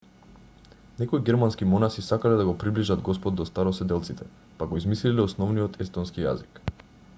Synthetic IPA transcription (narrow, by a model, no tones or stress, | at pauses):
nɛkɔiɡɛɾmanskimɔnasisakalɛd̪aɡɔpɾibliʒad̪ɡɔspɔd̪̚ːɔst̪aɾɔsɛd̪ɛlˠt̪sit̪ɛ | paɡɔizmislilɛɔsnɔvnijɔt̪ʰɛst̪ɔnskija̰zik